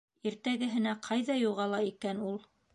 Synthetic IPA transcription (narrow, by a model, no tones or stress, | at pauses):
iɾt̪æɡɘ̆ɦɘ̆næqʰɑjðɑjuʁɑlˠɑikænulˠ